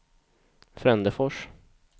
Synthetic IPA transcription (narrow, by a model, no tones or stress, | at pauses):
fɾɛnd̪əfɔʂ